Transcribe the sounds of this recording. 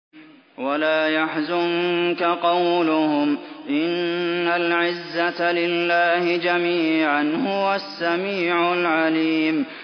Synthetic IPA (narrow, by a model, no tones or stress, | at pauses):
walaːjaħzʊŋkaqɑwlʊhʊmʔɪnːalʕɪzːat̪lɪlːaːhɪd͡ʒamiːʕanhʊwasːamiːʕʊlʕaliːm